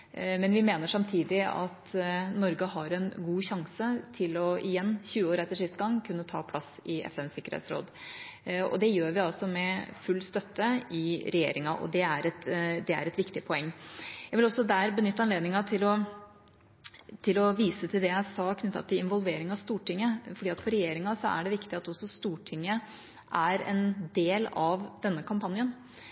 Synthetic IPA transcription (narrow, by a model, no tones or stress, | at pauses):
mɛnʋɪmeːnəʂɑmt̪ʰiːd̪ɪɑ̰t̪nɔɾɡəɦɑɾɛnɡuːçɑŋsət̪ʰɪlɔɪjɛnːçʉːəoːɾɛt̪ːəʂɪst̪ɡɑŋːkʰʉnːət̪ʰɑ̰ːpʰlɑsɪɛ̰fɛnsɪkːəɾḛːt̪sɾo̰ːd̪ | ɔ̰d̪ɛjøːɾʋɪɑlsɔmɛfʉlːst̪œt̪ːəɪɾɛjḛːɾɪŋɑʔɔ̰d̪ɛæɾɛt̪d̪ɛæ̰ɾɛt̪ʋɪkt̪ɪpʰɔɛŋːjæɪʋɪlɔsːɔd̪æːɾbənʏt̪ːɑnleːd̪nɪŋɑt̪ʰɪlɔ | t̪ʰɪlɔʋiːsət̪ʰɪld̪ɛjæɪsɑːkʰnʉt̪ːɑ̰t̪ʰːɪlɪnʋɔlʋeːɾɪŋɑʋst̪uːʈɪŋːəfɔɖiːɑt̪fɔɾɛjeːɾɪŋɑsɔæ̰ɖɛʋɪkt̪ɪɑt̪ɔsːɔst̪uːʈʰɪŋːə | ʔæɾɛ̰nd̪eːlɑʋd̪̥ɛnːəkʰɑmpɑnjən